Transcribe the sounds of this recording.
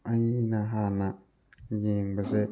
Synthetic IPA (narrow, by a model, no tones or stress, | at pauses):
ajinaɦana | jiɡ͡bɪzɛ